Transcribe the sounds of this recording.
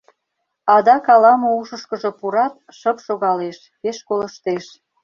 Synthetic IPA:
ɑd̪ɑkɑlɑmouʃəʃkəʒo̽puɾɑt̪̚ | ʃəpʃoɣɑleʃ | peʃkoləʃt̪eʃ

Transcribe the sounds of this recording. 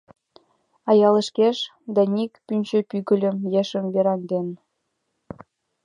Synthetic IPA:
ɑjɑlə̆ʃkeʃ | d̪ɑnʲikpynʲt͡ɕø̆pyɣə̆lʲə̆mjeʃə̆mveɾɑnd̪en

